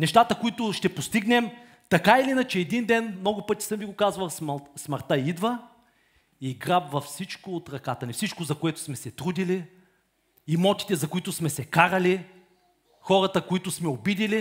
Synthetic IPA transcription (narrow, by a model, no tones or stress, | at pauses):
nɛʃt̪at̪əkoit̪ʊʃt̪ɛpost̪iɡnɛm | t̪ɐkailinɐt͡ʃɛːd̪ind̪ɛnmnɔɡʊpɤt̪i̥səmviɡʊkazvɐlˠsmsmɐɾt̪aid̪və | iɡɾabvɐfsit͡ʃkʊːt̪ɾɐkat̪ɐnifsit͡ʃkʊzɐkoɛt̪ʊ̥smɛsɛt̪ɾud̪ili | imɔt̪i̥t̪ɛzɐkoit̪ʊsmɛsɛkaɾɐli | xɔɾɐt̪əkoit̪ʊsmɛobid̪ili